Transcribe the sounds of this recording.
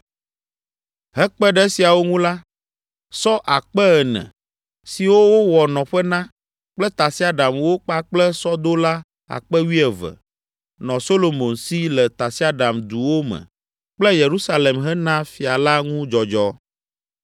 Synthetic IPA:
ɦɛ˦k͡pɛ˦ɖɛ˦si˨a˨wo˦ŋũ˦la˦ | sɔ˦ʔa˨k͡pɛ˦ɛ˨nɛ̰̃˨ | si˨wo˦wo˦wɔ˨nɔ̃˨ɸɛ˦nã˦ | k͡plɛ˦t̪a˨si˦a˦ɖa˨mwo˦k͡pa˦k͡plɛ˦sɔ˦d̪o˦la˦ | a̰˨k͡pɛ˦wi˦ɛ˨vɛ̰˨ | nɔ̃˨so˦lo˨mo˨nsi˦lɛ˨t̪a˨si˦a˦ɖa˨md̪u˨wo˦mɛ̰̃˨ | k͡plɛ˦je˨ɾu˦sa˦le˨mɦɛ˦nã˦fi˨a˨la˦ŋũ˦d͡ʒɔ˨d͡ʒɔ˦

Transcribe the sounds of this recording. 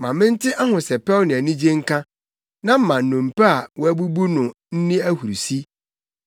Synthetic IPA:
mã˨mɪ̃˦n̩˦tʰɪ˦ʔa˦hʊ̃˨sɛ˨pʰɛ˦lnɪ̃˨æ˨nĩ˦d͡ʑĩ˦ŋ̩˦kʰã˦ | nã˦˨m̩˦mã˨n̩˨nʊ̃˨m̩˨pɛ˦a˨wɔ˦æ˦bu˦bu˦nʊ̃˨ | n̩˦nĩ˦æ˦hu˨ɾsi˦

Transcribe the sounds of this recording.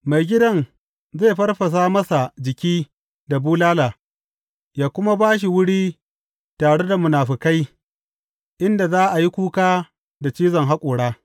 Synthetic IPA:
ma˨jɡʲɪ˦dɐ˦n | za˦˨jɸɐ˦rɸɐ˨s̬aː˦mɐ˦sa˨d͡ʒɪ˨kʲiː˦ | da˨buː˦laː˦laː˨ | jaː˦kʷʊ˦ma˦baː˦ʃ̬i˨wʊ˦ɽiː˦ | taː˨ɽe˦da˨mʊ˨naː˨ɸɪ˨ka˦j | ʔɪ˦nda˨zaː˦ʔa˨ji˦kʷuː˦kaː˦ | da˨t͡ʃiː˦zɐ˨ŋɦa˦kʷʼʊː˨ɽaː˦

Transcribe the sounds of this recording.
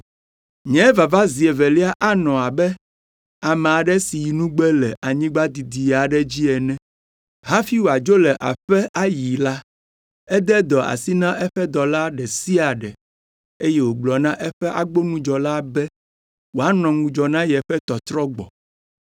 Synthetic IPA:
ɲɛ̃˨˦va˨va˦zi˨ɛ˨vɛ˨li˦a˦ʔa˦nɔ̃˨a˨bɛ˦ | a˨mɛ˨a˨ɖɛ˦si˨ji˨nũ˦ɡ͡bɛ˦lɛ˨ʔa˨ɲĩ˦ɡ͡ba˦d̪i˨d̪i˨a˨ɖɛ˦d͡ʑi˦ɛ˨nɛ̃˦ | ɦa˦fi˦wo˨a˨d͡ʒo˦lɛ˨ʔa̰˨ɸɛ˦ʔa˦ji˨la˦ | ɛ˦d̪ɛ˦d̪ɔ˨ʔa̰˨si˦nã˦ʔɛ˦ɸɛ˦d̪ɔ˨la˦ɖɛ˨si˦a˨ɖɛ˨ | e˦jɛ˦wo˨ɡ͡blɔ˨nã˦ʔɛ˦ɸɛ˦ʔa˦ɡ͡bo˦nũ˦d͡ʒɔ˨la˦bɛ˦ | wo˨a˦nɔ̃˨ŋũ˨d͡ʒɔ˨nã˦jɛ˨ɸɛ˦t̪ɔ˨t̪ɾɔ˦ɡ͡bɔ̰˨

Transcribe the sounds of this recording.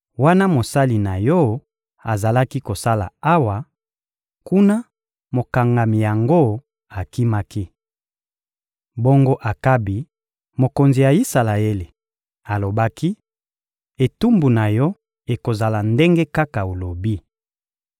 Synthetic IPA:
wa˦na˦mo˨sa˦li˨na˨jɔ˦ | a˨za˨la˦ki˦ko˨sa˦la̰˨a˦wa˨ | ku˦na˦ | mo˨ka˨ŋɡa˨mi˨ja˨ŋɡo˦ | a˨ki˦ma˦ki˦ | bo˦ŋɡo˦ʔa˨ka˦bi˨ | mo˨ko˨nzi˨ja˨i˦sa˨la˨e˦le˨ | a˨lo˨ba˦ki˦ | e˨tu˦mbu˨na˨jɔ˦ | e˨ko˨za˨la˨nde˦ŋɡe˦ka˦ka˨o˨lo˨bi˦

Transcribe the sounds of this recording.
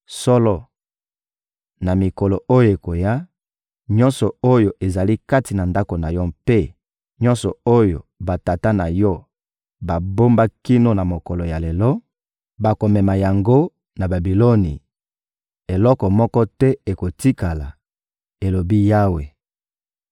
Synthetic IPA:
sɔ˦lɔ˦ | na˨mi˨kɔ˨lɔ˨ʔo˦jo˨e˨ko˨ja˦ | ɲɔ˦nsɔ˨o˦jo˨ʔe˨za˨li˦ka˦ti˨na˨nda˦ko˨na˨jɔ˦pe˦ | ɲɔ̃˦nsɔ˨o˦jo̰˨ba˨ta˨ta˦na˨jɔ˦ | ba˨bo˦mba˦ki˦no˦na˨mo˨kɔ˨lɔ˨ja˨le˨lɔ˦ | ba˨ko˨mɛ˨ma˨ja˨ŋɡo˦ | na˨ba˨bi˨lo˦ni˨ | e˨lɔ˦kɔ˨mɔ˦kɔ˦tɛ˦e˨ko˨ti˦ka˨la˨ | e˨lo˨bi˦ja˦we˨

